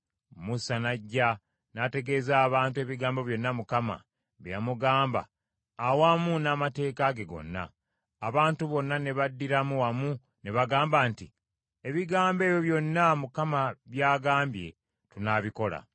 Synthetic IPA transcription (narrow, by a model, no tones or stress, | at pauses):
musanaɟːa | nate̞ɡeːzaːβaːntue̞ːβiɡaːmbo̞βjo̞nːamukama̰ | βejamuɡaːmba̰ː | waːmunaːmate̞ːkaɡe̞ɡo̞̰nːa̰ː | βaːntuβo̞nːane̞βadːiɾamuwamu | ne̞βaɡaːmbaːnti | e̞βiɡaːmbe̞ːjo̞βjo̞nːamukamaβjaːɡaːmbje̞̰ | tunaβiko̞la̰